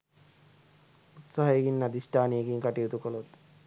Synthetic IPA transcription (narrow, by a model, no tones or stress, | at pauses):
ut̪saɦɐekinːɐd̪isʈaːnijekiŋkɐʈiut̪ukɔlot̪